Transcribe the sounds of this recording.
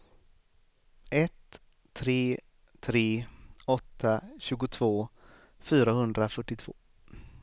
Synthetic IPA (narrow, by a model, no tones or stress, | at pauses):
ʔɛt̪ʰː | ɾeː | t̪ʰɾeːɔt̪ʰːaɕʉ̟ːɡʊt̪ʰvoː | fyːɾahɵnd̪ɾafœʈːɪt̪ʰv̥o̰ː